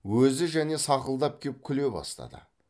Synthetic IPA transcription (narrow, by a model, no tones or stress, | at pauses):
wɵzɪʒæne̞sɑqəlˠd̪ɑp̚kʲʰep̚kʲʰʏle̞bɑ̰st̪ɑ̰d̪ə̰